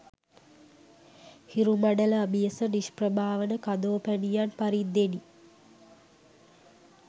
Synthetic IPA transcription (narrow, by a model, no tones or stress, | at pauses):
hiɾumaɖələabijəsəniʃprəbʱaːʋənəkad̪oːpænijanpaɾid̪ːeni